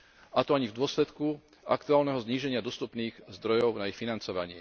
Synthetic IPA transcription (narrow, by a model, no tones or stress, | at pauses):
at̪ɔaɲivd̪ʊɔslɛt̪ku | a̰kt̪uaːlnɛɦɔzɲiːʒɛɲɪad̪ɔst̪upniːɣzd̪ɾɔjɔʊnaixfinant͡sɔʋaɲɪɛ̰